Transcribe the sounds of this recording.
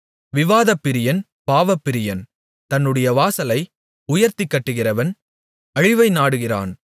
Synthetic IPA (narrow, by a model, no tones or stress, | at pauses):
ʋɪʋaːðɐpːɪɾɪjɐn | paːʋɐpːɪɾɪjɐn | t̪ɐnːɯɽɐjɐʋaːsɐlɐɪ | ʊjɐɾt̪ɪkːɐʈːɯɣɪrɐʋɐn | ɐɻɪʋɐɪnaːɽɯɣɪra̰ːn